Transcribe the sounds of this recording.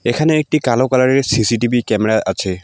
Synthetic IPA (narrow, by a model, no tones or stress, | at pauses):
ɛkʰanɛːk̚tikalɔkalaɹɛɹsisitibʱikɛmɛɹaʔa̰sʰɛ